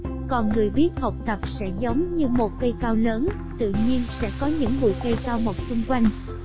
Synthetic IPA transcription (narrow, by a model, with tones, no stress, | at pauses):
kɔ˨˩nŋɨ˨˩əjɓi˦˥ət̚hə˨˩wk͡p̚t̪ə˨˩p̚sɛ̰˧˥zə˨˦wŋ͡mɲɨ˧mo˨˩t̚kə˧jkaː˧wləː˨˦n | t̪ɨ̰˧˨ɲi˧ənsɛ̰˧˥kɔ˨˦ɲɨ̰˧˥ŋɓṵ˧˨kə˧jkaː˧wmo˨˩t̚sʊ˧ŋ͡mkwa˧jŋ̟